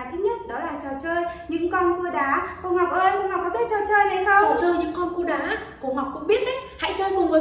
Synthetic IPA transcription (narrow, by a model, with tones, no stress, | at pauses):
t̪ʰɨ˨˦ɲə˦˥t̚ɗɔ˨˦laː˨˩t͡ɕɔː˨˩t͡ɕəː˧jɲɨ̰˧˥ŋkɔ˧nku˧əɗaː˨˦ko˧˩hwa˨˩k̚ʔəː˧jkŋ͡mha˨˩kːɔ˨˦ɓi˦˧˥t̚t͡ɕɔː˨˩t͡ɕəː˧jɗə˨˦jxə˧˨˩t͡ɕəː˧jɲɨ̰˧˥ŋkɔ˧nku˧əɗaː˨˦ku˨˩əɦwa˨˩k̚kʊ̰˧˥ŋ͡mɓi˦˥ət̚ʔə˨˦jha̰˧˥jt͡ɕəː˧jmu˨˩məː˨˩˦